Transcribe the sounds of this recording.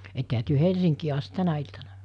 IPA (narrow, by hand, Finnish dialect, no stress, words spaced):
etːehæ tyø helsiŋkiː ɑst tænæ iltɑnɑ